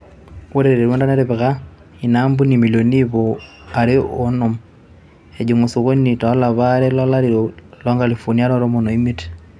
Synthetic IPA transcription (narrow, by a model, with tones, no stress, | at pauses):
wo˦ɾe˦ɾe˨ɾe˨ɾwo˦nda˦na˦ɾeβɪ˨ka˦ | i˨na˦mbu˦ni˨mi˨lo˨ni˦βo˨ | a˨ɾɪ˦o˦nɔ˨m | e˨d͡ʒu˨ŋo˨su˨ɣo˦ɲni˨tɔ˨˦la˨βa˦ɾɛ˦lɔ˦la˦ɾi˨ɾo˨lɔ˦ŋɡa˨li˨fo˨ni˦a˦ɾɔ˦ɾo˦mo˨no˨i˦mi˦t